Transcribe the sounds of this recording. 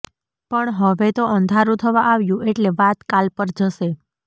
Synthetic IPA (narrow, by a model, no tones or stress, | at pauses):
pəɳɦəʋet̪oʔənd̪ʱaɾũt̪ʰəʋaʔaʋjũʔeʈleʋat̪kalpəɾd͡ʒəʃe